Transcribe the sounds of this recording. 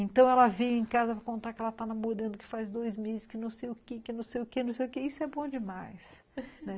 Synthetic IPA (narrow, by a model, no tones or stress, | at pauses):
ẽnt̪ɐ̃w̃ɛlɐvejẽkazɐvakõnt̪aɾkɪɛlɐt̪anamoɾɐ̃nd̪ʊkɪ̥fazd̪ojzmezɪskɪnɐ̃w̃sejʊkekɪnɐ̃w̃sejʊkenɐ̃w̃sejʊkeisʊɛbõd͡ʒɪmajs | nɛ